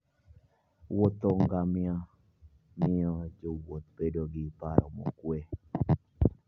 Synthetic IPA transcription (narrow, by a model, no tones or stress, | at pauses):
wot̪oŋɡamɪa | mɪɔd͡ʒowot̪bedoɡɪpaɾɔ̰mɔ̰kwe